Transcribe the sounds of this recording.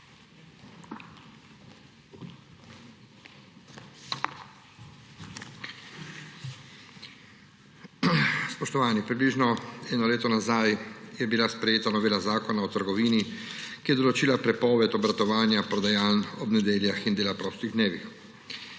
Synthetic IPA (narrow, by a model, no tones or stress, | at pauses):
spɔʃt̪ɔʋaːnipɾibliʒnɔɛːnɔleːt̪ɔnazajjɛbilaspɾɛjeːt̪anɔʋeːlazaːkɔnaɔt̪əɾɡɔʋiːnikijɛd̪ɔlɔt͡ʃiːlapɾɛpɔːʋɛt̪ɔbɾat̪ɔʋaːnjapɾɔd̪ajaːlɔbnɛd̪eːljaxind̪eːlapɾɔːst̪iɣd̪neːʋix